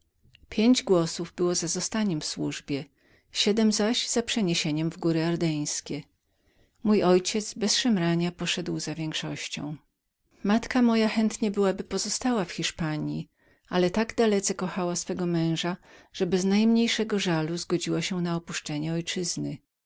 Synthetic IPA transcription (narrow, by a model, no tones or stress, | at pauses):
pʲjeɲd͡ʑɡwɔsuvbɘwɔzazɔst̪aɲɛmfswuʐbʲjɛ | ɕɛd̪ɛmzaʑz̥apʂɛɲeɕeɲɛmvɡuɾɘaɾd̪ɛj̃skʲɛ | mujɔjt͡ɕɛt̪zbɛsʂɛmɾaɲapɔʂɛd̪wzavʲjɛŋkʂɔɕt͡ɕɔ̰̃w̃ | mat̪kamɔjaxɛnt̪ɲɛbɘwabɘpɔzɔst̪awafxʲiʂpaɲji | alɛt̪aɡd̪alɛt̪sɛkɔxawasfɛɡɔmɛ̃w̃ʐaʐ̥ɛbɛznajmɲejʂɛɡɔʐaluzɡɔd͡ʑiwaɕɛnaɔpuʂt͡ʂɛɲɛɔjt͡ʂɘznɘ